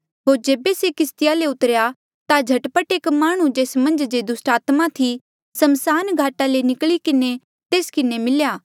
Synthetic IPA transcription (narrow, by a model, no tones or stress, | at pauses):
ɦoːɾd͡ʒeːbesekɪst̪ɪjaleʊt̪əɾja | t̪ad͡ʒʱɐʈpəʈeːkmaːɽ̃ũd͡ʒeːsmɐ̃nd͡ʒd͡ʒed̪ʊsʈaːt̪mat̪ʰi | sɐmsaːnɡʱaːʈalenɪkɭikɪne | t̪eːskɪnemɪljaː